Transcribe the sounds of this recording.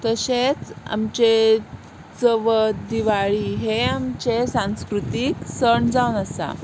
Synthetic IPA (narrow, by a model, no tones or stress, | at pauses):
t̪əɕet͡sa̰mt͡ɕe | t͡səʋəd̪iʋaɭiːɦeamt͡ɕesãskɾut̪iksəɳd͡zawunəsa̰